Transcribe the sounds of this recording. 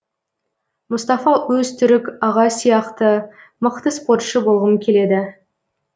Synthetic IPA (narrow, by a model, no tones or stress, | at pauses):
mʊst̪ɑfɑwɵzt̪ʰʏɾɪkɑʁɑsijɑqt̪ə | məqt̪əspo̞rt̪ʃəbo̞lˠʁəmkʲʰe̞le̞d̪ɪ